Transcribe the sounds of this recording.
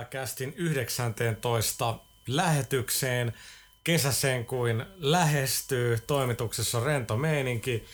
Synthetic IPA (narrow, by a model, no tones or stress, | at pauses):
kæst̪inyhdeksænt̪eːnt̪o̞ist̪ɑ | læhet̪ykseːn | kesæseːŋkuinlæɦest̪yːt̪o̞imit̪uksesːɑrent̪omeiniŋki